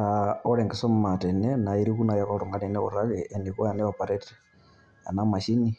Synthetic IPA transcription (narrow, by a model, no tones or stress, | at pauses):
aoɾɛŋɡɛsom̩matɛnenaiɾikunajakoɾoŋɡanɛnɛoɾaɣɛʔːnikujanɛapaɾeti̥ | a̰namaʃini